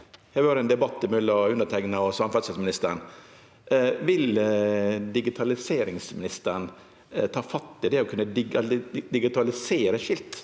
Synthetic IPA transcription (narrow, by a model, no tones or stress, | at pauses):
hæʋɑːɾɛnd̪ɛbɑt̪ːɪmœlːəɔʉnːəʈ̪ʰɛŋnɑɔsɑmfɑt̪səsmɪnɪst̪əɾn | ʋɪl | d̪ɪɡɪt̪ʰɑlɪseːɾɪŋsmɪnɪst̪əɾn | t̪ʰɑːfɑt̪ːɪd̪ɛɔkʰʉnːəd̪ | d̪ɪɡɪt̪ɑlɪseːɾəʂɪlt̪